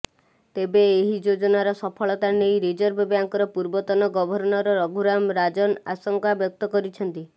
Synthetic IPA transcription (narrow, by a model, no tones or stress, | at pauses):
t̪ebeːɦid͡ʒod͡ʒɔnaɾɔsɔpʰɔɭɔt̪anejɾid͡ʒɔɾbebjaŋkɔɾɔpuɾbɔt̪ɔnɔɡɔbʱɔɾɔnɔɾɔɾɔɡʱuɾamɾad͡ʒɔnasɔŋkabjɔk̚t̪ɔkɔɾit͡ʃʰɔnt̪i